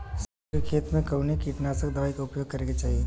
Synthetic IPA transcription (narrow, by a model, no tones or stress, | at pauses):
s | ikʰeːt̪mẽkəʋnekiʈnasəkd̪ɐʋaːikaʊpjoːɡ̚kɐɾeɡet͡ʃaːɦie